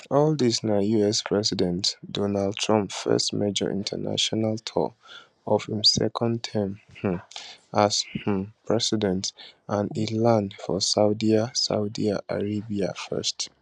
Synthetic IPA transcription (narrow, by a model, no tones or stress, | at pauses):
ɔldisnajuɛspʰɹɛsidɛ̃ntdɔnald̚tʰɹɔ̃mpfɜ̰stmɛd͡ʒɔ̰ʔḭ̃ntʰə̰na̰ʃɔnalˠtʰɔ̰ | ɔfhĩmsɛ̰kʰɔ̃ndtʰɛmh̩ | ash̩pʰɹɛsidɛ̃ntʔãnilãnfɔsaʊdiasa̰ʊdiaʔa̰ɹebiafɜ̰st